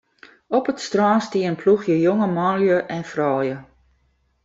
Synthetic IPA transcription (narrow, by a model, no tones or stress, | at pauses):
ɔpətstrɔːnstiənpʰluxjəjoŋəmɔnljəʔɛnfrɔːjə